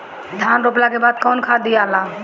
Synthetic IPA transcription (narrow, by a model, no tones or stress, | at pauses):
d̪ʱanɾop̬lakebaːd̪̚kɔːnkʰad̪ijala